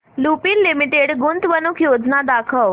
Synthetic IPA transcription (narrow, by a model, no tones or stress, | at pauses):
lupilːimiʈeɽɡunt̪ʋənukʰjod͡znad̪akʰəʋ